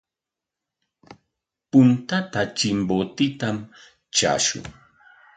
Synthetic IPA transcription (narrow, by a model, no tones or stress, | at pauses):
pʊnt̪at̪at͡ʃɪmbot̪ɪt̪am | t͡ʃa̰ːʃʊ̰ŋ